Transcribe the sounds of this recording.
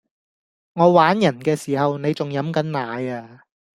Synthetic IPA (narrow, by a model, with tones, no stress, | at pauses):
ŋɔː˨˧waː˨˥njɐ˨˩nkɛː˧siː˨˩hɐ˨wne˨˧jt͡sʊ˨ŋjɐ˨˥mkɐ˨˥nnaː˨˥jaː˧